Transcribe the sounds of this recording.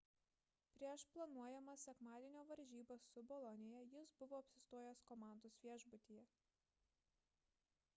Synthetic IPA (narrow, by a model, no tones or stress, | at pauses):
pʲɾʲiɛʃplˠɐnuɔjɛmɐsʲɛkmɑːd̪ʲiɛnʲoːʋɐɾʲʒʲiːbɐsʊbɔlˠɔnʲɪjɛjɪsbʊʋoːɐpʲsʲɪst̪oɔjoskɔmɑˑnd̪oːsʋʲiɛʒbʊt̪ʲiːjɛ